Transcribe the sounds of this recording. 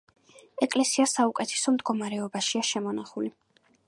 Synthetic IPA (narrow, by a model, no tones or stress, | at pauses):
ɛkʼlɛsiasaukʼɛt̪ʰɛ̥sɔmd̪ɡɔmaɾɛɔbaʃiaʃɛmɔnaχuli